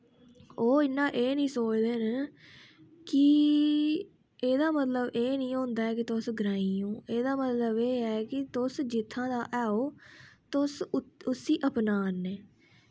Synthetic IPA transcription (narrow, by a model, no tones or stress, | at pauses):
oːɪnːãːʔeːnĩːsoːt͡ʃd̪eːn | kɪ | eːd̪aːmət̪ləbeːnĩːɦõːnd̪aːɦɛːkɪt̪ʊsɡɾãːiːõːeːd̪aːmət̪ləbeːɦɛːkɪt̪ʊsd͡ʒɪt̪ʰːãːd̪aːʔɛːoːt̪ʊsʊsiːʔəpnaːnːeː